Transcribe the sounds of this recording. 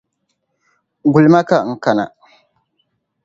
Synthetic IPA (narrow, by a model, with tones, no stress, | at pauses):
ɡu˨lma˦ka˨ŋ̩˦ka˨na̰˨